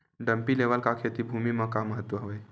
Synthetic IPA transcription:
ɖəmpileʋəlkakʰet̪ibʱumimə̃kamːəɦət̪ːʋəɦoʋej

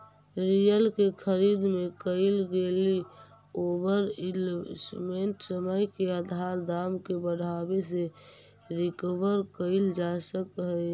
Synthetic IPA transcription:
ɾijəlkekʰəɾid̪mẽkəɪlɡeli | obəɾlsmẽɳʈsəməjkeəd̪ʱaɾd̪amkebəɽabese | ɾɪkəbəɾkəɪld͡ʒasəkɦə

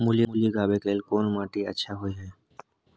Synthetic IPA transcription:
muliuliɡabekelkonmãʈiə̰tːʃʰaɦojɦɛː

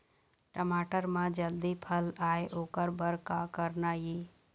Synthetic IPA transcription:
ʈəmaːʈəɾmãd͡ʒəld̪ipʰəlaːeʔoːkəɾbəɾkakəɾnaji

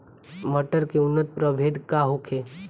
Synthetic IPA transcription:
məʈəɾkeʊnːət̪̚pɾəbʱed̪kaɦokʰe

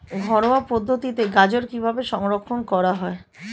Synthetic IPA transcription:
ɡʱɔɾoapod̪ʱːot̪it̪eɡad͡ʑoɾkibʱabeʃɔŋɾokʰːonkɔɾaɦɔe

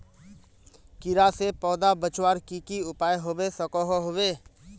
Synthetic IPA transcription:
kɪɾasepɔːd̪abət͡ʃwaːɾkikiʊpaːjɦoːwesəkɔɦoɦoːweː

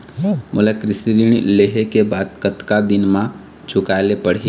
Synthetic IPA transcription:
mʊləkɾɪsɾiːɽ̃leːɦekebaːd̪kət̪kad̪ɪnmã | t͡ʃʰʊkaːlepəɽ̤e

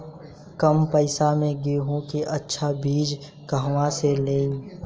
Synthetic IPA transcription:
kəmpəɪsamẽɡeːɦũkeʔətːʃʰabʱiːd͡ʒ | kəɦʋãseleːĩ

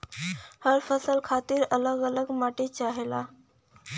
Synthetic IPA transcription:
həɾfəsəlkʰat̪iːɾələɡələɡmaʈet͡ʃaɦela̰

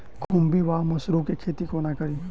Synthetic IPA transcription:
kʰumbiʋaːmɐsɾokekʰeːt̪ikoːnakɐɾi

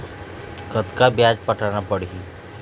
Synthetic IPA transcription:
kət̪kabjaːd͡ʒpəʈʰanapəɽ̤ii

